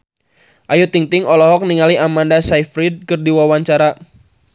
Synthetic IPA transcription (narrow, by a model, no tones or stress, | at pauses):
ʔajut̪iŋt̪ɪŋɔlɔɦɔk̚niŋaliʔamandasajfɾid̚kərdiwawaɲt͡ʃaɾa